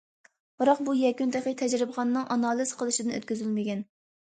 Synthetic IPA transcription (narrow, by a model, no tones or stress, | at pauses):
b̥ɨɾɑq̚bujɛkʲynt̪ʰæχət̪ʰɛd͡ʒɾɨbʁɑnːɨŋʔɑnɑːlˠiz̥qʰəlˠɨʃid̪ɪnø̰t̪̚kʲyzylmɪkʲɛn